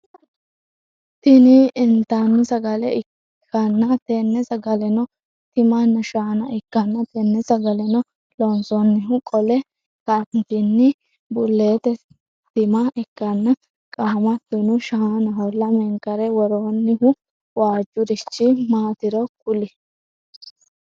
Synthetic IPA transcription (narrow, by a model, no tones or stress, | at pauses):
t̪ɪnɪːnt̪anːɪsɐɡɐlɛɪ | kʰːɐnːɐt̪enːɛsɐɡɐlɛnɔ | t̪ɪmanːɐʃaːnɐʔɪkːɐnːɐt̪ɛnːɛsɐɡɐlɛnɔ | lɔnsɔnːɪɦʊkʼɔlɛ | kɐnt̪ɪnːɪ | bʊlːeːt̪ɛ | t̪ɪmɐɪkːɐnːɐ | kʼaːmɐt̪ːʊnʊʃaanɐɦɔlːɐmɛŋkɐɾɛwɔɾoːnːɪhʊ | waːd͡ʒːʊɾɪt͡ʃːɪmaːt̪ɪɾɔkʊlɪ